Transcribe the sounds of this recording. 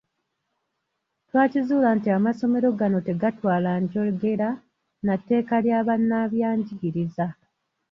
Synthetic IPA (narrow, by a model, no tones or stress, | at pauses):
twaːcizuːlantiamaso̞me̞ɾo̞ɡano̞te̞ɡatwaːlaɲɟo̞ɡe̞ɾa | natːe̞ːkaljaːβanːaβjaːɲɟiɡiɾiza